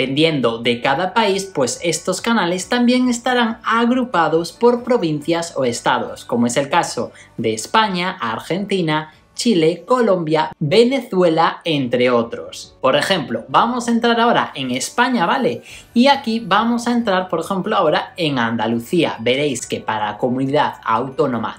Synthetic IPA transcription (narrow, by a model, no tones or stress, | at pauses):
pend̪je̞nd̪o̞ðe̞kaðapaispwe̞se̞st̪o̞skanale̞st̪ambje̞ŋe̞st̪aɾaŋaɣɾupaðospo̞ɾpɾo̞βin̟θjaso̞̰e̞st̪aðo̞̰skomoe̞se̞lkaso̞ | d̪e̞ːspaɲaʔaɾxe̞nt̪ina | t͡ʃile̞ko̞lõ̞mbjabe̞ne̞θwe̞laent̪ɾe̞o̞t̪ɾo̞̰spo̞ɾe̞xe̞mplobamo̞sae̞nt̪ɾaɾao̞ɾa̰ʔe̞ŋe̞spaɲaβale̞iakiβamo̞sae̞nt̪ɾaɾpo̞ɾexẽ̞mploao̞ɾae̞ŋand̪aluθia̰be̞ɾe̞jske̞paɾalako̞mũniðaða̰wt̪o̞nõ̞ma̰